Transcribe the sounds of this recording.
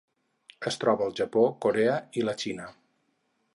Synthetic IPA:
əst̪ɾɔβəːlˠʒəpokoɾeəilət͡ʃinə

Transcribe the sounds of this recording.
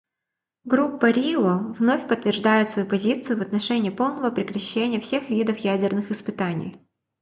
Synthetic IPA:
ɡɾupːɐɾʲiovnofʲpət̪ːvʲɪrʐd̪ajɪt̪svɐjupɐzʲit̪sɨjʊvɐt̪nɐʂɛnʲɪːpo̞lˠnəvəpɾʲɪkɾɐɕːenʲɪjəfsʲexvʲid̪əfjædʲɪrnɨxɨspɨt̪anʲɪ̰j

